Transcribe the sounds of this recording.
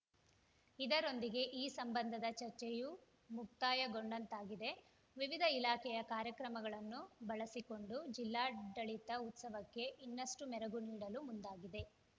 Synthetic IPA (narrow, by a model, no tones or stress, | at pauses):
id̪ɐɾo̞nd̪iɡe̞ʔiːsɐmbɐnd̪ʱɐd̪ɐt͡ʃɐɾt͡ʃɛju | muk̚t̪aːjɐɡoɳɖɐnt̪aːɡid̪e̞ | ʋiʋid̪ʱɐilaːkɛjɐkaːɾjɐkɾɐmɐɡɐɭɐnːubɐɭɐsiko̞ɳɖud͡ʒilːaːɖɐɭit̪ɐut̪sɐʋɐkːe̞ʔinːɐʂʈumɛɾɐɡuniːɽɐlumund̪aːɡid̪e̞